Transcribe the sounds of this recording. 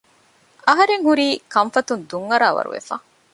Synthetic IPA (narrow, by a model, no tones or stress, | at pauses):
ɐɦɐɾeŋhuɾiːkɐɱfɐt̪und̪uŋːɐɾaːʋɐ̰ɾṵʋḛfaː